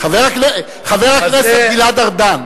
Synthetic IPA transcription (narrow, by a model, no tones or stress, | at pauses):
χaveʁakne | χaveʁakneseilad̪aʁd̪an